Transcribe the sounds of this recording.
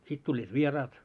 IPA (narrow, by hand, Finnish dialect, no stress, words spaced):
sit tulʲːiːt ʋierɑːt